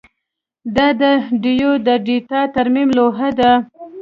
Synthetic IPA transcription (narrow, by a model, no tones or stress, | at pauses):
d̪ɑd̪əɖijod̪əɖiʈɑt̪aɾmimloɦad̪a